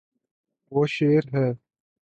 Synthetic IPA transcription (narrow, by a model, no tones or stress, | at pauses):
woːʃeːɾɦɛː